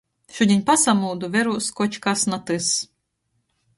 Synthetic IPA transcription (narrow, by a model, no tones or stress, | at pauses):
ʃud̪ʲinʲpasamuwd̪uvʲɛɾuskɔt͡ʃkasnat̪ɨs